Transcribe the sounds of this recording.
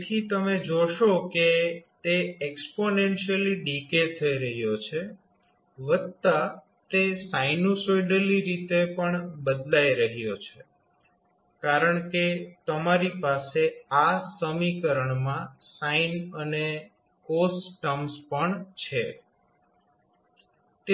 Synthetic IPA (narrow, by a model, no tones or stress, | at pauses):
t̪ʰit̪əmed͡ʒoʃoket̪eeksponenʃəliɖiket̪ʰəiɾəɦjot͡ʃʰe | ʋət̪ːa | t̪esajnusojɖəliɾit̪epəɳbəd̪laiɾəɦjot͡ʃʰe | kaɾəɳket̪əmaɾipaseasəmikəɾəɳmãsainəne | kosʈəmspəɳt͡ʃʰe | t̪e